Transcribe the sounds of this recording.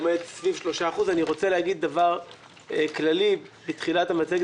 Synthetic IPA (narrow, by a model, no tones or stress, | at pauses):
met̪svivʃlo̞ʃaːχuzaniʁo̞t͡selehaɡid̪̚ːavaʁ | klalibit̪χilat̪hamat͡seɡ